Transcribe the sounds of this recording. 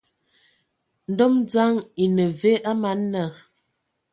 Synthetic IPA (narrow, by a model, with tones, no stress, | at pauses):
n̩˦dɔ˦md͡za˦ŋi˨nə˨ve˦ʔa˦ma˨˦nːə˦˨